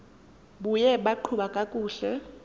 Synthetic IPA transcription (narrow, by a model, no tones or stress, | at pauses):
ɓujɛɓaǃʰuɓakʼakʼuːɬɛ